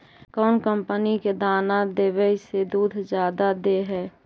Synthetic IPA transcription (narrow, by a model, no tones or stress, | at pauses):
kɔːnkəmpəniked̪aːnad̪eːʋɛised̪uːd̪ʱd͡ʒjaːd̪ad̪eɦɛː